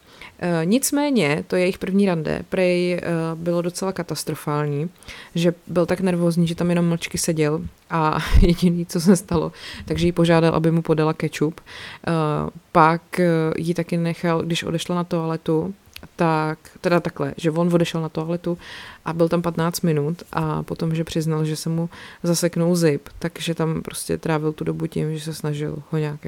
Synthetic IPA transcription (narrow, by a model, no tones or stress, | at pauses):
ɲɪt͡smɛːɲɛt̪ojɛjɪxpr̩vɲiːɾandɛ̰pɾɛjɛjbɪlodo̞t͡sɛlakat̪ast̪ɾo̞faːlɲiːʒɛbɪlt̪aknɛɾvo̞ːzɲiːʒɛt̪amjɛno̞mːl̩t͡ʃkɪsɛɟɛl | ʔajɛɟɪniːt͡so̞sɛst̪alo̰t̪aɡʒɛjipo̞ʒaːdalˠʔa̰bɪmupo̞dalakɛt͡ʃup | pakjɪt̪akɪnnɛxalɡdɪʃʔodɛʃlanat̪oalɛt̪u | t̪akt̪ɛdat̪aklɛ̰ʒɛvonvo̞dɛʃɛlnat̪oalɛt̪uʔabɪlt̪ampat̪naːt͡st̪mɪnut̪ʔa̰po̞t̪o̞mʒɛpr̥ɪznalʒɛsɛmuzasɛknulzɪpt̪aɡʒɛt̪ampɾo̞scɛ̰t̪ɾaːvɪlt̪udo̞bucɪ̰mʒɛsɛsnaʒɪ̰lhoɲaːk